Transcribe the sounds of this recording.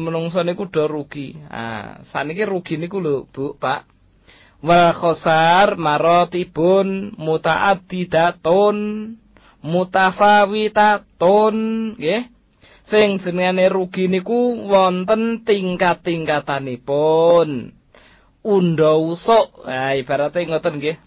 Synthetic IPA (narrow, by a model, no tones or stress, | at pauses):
mənuŋs̬ɔnikuɖ̥ɔ̤ɾuɡ̥ia̰sa̰nikiɾuɡ̥i̤nikulob̥uʔpaʔ | wəlkɔsarmaɾɔt̪ib̥ʊnmut̪a̰ʔad̪̥id̪̥at̪ʊn | mut̪asawit̪at̪ʊnɡe | sɪŋ̥d͡ʒ̥ə̤nəŋaneɾuɡ̥i̤nikuwɔnt̪ənt̪iŋkat̪ːiŋkat̪anipʊn | unɖɔusɔʔaib̥a̤ɾat̪eŋɔt̪ənke